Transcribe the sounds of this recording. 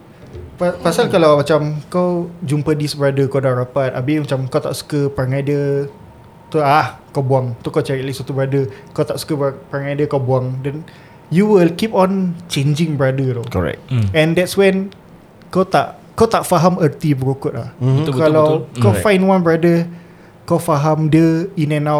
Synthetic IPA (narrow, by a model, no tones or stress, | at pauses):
apasalkalawmat͡ʃamkawd͡ʒumpədisbɾadəkawdaʔɾapat̪̚a̰bimat͡ʃamkawt̪a̰ʔsu̥kəpaŋajdə | t̪oahkawbuaŋt̪ukawt͡ʃɛɹiɛtliswat̪ubɾadəkawt̪aʔsu̥kəbpaŋajdəkawbuaŋdɛn | juwilkipɔ̃nt͡ʃẽnd͡ʒĩŋbɹadət̪okɔɹɛ̰kɛ̃ndɛtswɛ̃n | kot̪a̰ʔ | kawt̪aʔfaɦamət̪ibəɾukʊt̪̚lahkalawkɔfãjnwãnbɹadə | kawfaɦamdəinɛ̃naw